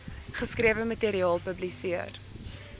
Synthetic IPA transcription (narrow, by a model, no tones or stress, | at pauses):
χəskriəvəməteɾiɑːlˠpəblisiər